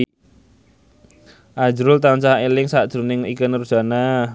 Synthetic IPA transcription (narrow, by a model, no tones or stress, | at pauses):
ʔḁʒɾʊlt̪ant͡ʃaɦaelɪŋsad̥ʒ̥ɾunɪŋḭkənr̥ʒ̥a̤na